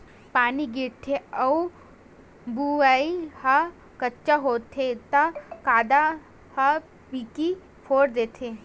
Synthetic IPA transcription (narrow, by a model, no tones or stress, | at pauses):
paːniɡiʈʰeɐu | buʋaihɐ | kɐtːt͡ʃːaɦoːt̪ʰet̪ɐkaːd̪a | hɐ | piki | pʰoːɾd̪eːt̪ʰe